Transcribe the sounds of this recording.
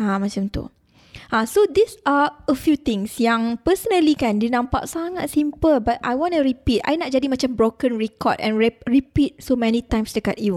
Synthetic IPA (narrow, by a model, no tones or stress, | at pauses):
amãt͡ʃãmt̪ṵ | ʔãsodisaəfjut̪ɪ̃ŋsjãŋpəsənəlikɛ̃ndinãmpa̰ʔsaŋat̚sĩmpəlbat̚a̰jwɔ̃nuɹipita̰jnɔt̚d͡ʒadimat͡ʃãmbɾokə̃nɹɛkɔ̰dɛ̰̃nɹɛɹipit̚somɛnitãjmstukat̚ju